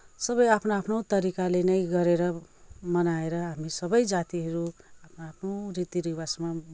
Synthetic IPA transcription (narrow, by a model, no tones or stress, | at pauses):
sʌbʌjapʰnaapʰnowt̪ʌɾikalenʌjɡʌɾeɾʌmʌnaeɾʌɦamisʌbʌjd͡zat̪iɦʌɾuapʰnaapʰnorit̪iɾiwasma